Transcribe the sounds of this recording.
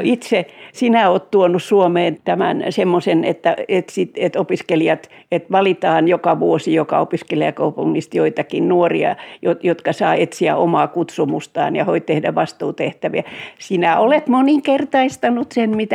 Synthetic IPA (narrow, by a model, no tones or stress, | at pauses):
it̪sesinæoːt̪t̪uonussuomeːnt̪æmæ̰nsemːosenḛt̪ːæet̪sit̪et̪opiskeliɑt̪ | et̪ʋɑlit̪ɑːnjokɑʋuosijokɑ̰opiskeliækɑupuŋːist̪joit̪ɑkinnuorḭɑ̰jojot̪kɑsɑːet̪siæ̰ʔomɑːkut̪sumust̪ɑ̰ːnjɑ̰hoitt̪ehdæʋɑst̪uːt̪eht̪æʋḭæsinæolet̪moniŋkert̪ɑist̪ɑnut̪senmit̪æ